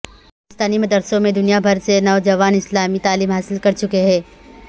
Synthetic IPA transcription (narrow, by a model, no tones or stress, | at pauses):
ɪst̪aːnimɐd̪əɾsõmẽd̪ʊnijabʱɐɾsenɔːd͡ʒɐʋaːnɪslaːmit̪aːliːmɦaːsɪlkɐɾt͡ʃʊkeɦɛ̃ː